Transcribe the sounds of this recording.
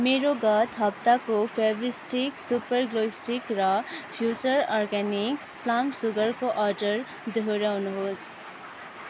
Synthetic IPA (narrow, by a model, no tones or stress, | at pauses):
meɾoɡʌt̪ɦʌp̚t̪akopʰebisʈiksupʌrɡloisʈikrʌpʰjut͡ʃʌɾɔrɡaniksplamsuɡʌɾkoʔʌɾɖʌr | d̪ʱoɾawnuɦos